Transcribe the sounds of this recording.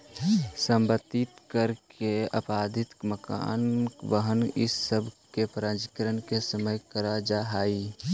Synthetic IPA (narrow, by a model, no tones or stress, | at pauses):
sə̃mbət̪ːɪt̪kəɾkʰeə̰paːd̪ʱɪt̪məka̰ːnbəɦənɪ̰sːəbʱkepɾãːnd͡ʒikəɾənkesəməjkəɾad͡ʒaɦaːi